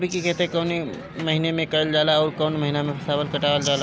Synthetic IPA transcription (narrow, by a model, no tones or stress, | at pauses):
bʱikikɛɦt̪ẽkɔːne | məɦinemẽkəəld͡ʒaːlaɔːɾkɔːnməɦinamẽpʰəsaːbəlkɐʈaəld͡ʒaːla